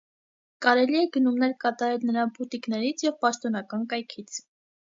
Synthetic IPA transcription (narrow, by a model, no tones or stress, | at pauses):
kɑɾɛliɛɡənumnɛɾkɑt̪ɑɾɛlnəɾɑnbut̪iknɛɾit͡sʰjɛvpɑʃt̪ɔnɑkɑnkɑjkʰit͡sʰ